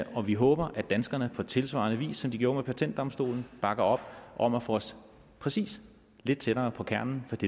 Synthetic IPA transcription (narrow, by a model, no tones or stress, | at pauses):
ɒ̽ʋiɦɔ̰̽ːb̥ɐʔæd̥ænsɡ̥ɐnəpʰɒ̽t͡sʰe̝lsʋɑ̰̈nəʋḭːsːɒ̽md̥iɡ̥jo̝ːɐmepʰæt͡sʰend̥ɒmsd̥o̝̰ːln̩b̥ɑ̈ɡ̥ɐɒ̽b̥ʔɒ̽mæfɔs | pʰʁɛsḭːs | le̝d̥̚t͡sʰed̥ɐːpʰɒ̽kʰæɐnn̩fɒd̥e